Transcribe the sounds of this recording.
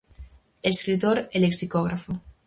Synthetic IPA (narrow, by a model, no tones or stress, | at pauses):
eskɾit̪oɾeleksikoɣɾafo